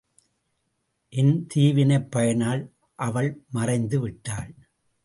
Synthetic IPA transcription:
ʔɛnt̪iːʋɪnɐɪpːɐjɐnaːɭ | ʔɐʋɐɭmɐrɐɪnd̪ɯʋɪʈːaːɭ

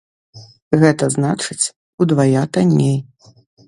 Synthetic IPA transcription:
ɣɛt̪ɐznat͡ʂɨt͡sʲ | ud̪vajat̪anʲːej

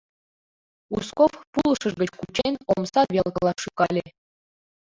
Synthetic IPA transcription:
uskofpulˠɤ̆ʃɤ̆ʐɡʲə̆t͡ɕkut͡ɕenʲomsɑʋʲelˠkɤ̆lˠɑʂukɑlʲe

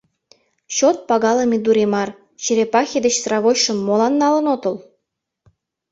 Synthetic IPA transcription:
ɕot̪̚pɑɣɑlɤmʲid̪uɾemɑr | t͡ɕiɾepɑxʲed̪ət͡ɕsrɑβojʃə̆mːolɑnːɑlə̆not̪ɤl

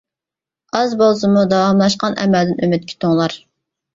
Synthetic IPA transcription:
ɑzbolˠsɨmud̪ɑwɑmlˠɑʃqɑnɛ̰mæld̪ɪnømɪt̪̚kʲi̥t̪ʰoŋlˠɑɾ

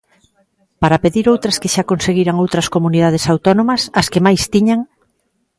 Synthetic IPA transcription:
paɾapeðiɾowt̪ɾɐskeʃakonseɣiɾaŋowt̪ɾɐskomuniðað̞esawt̪ɔnõmɐsɐskemajst̪iɲaŋ

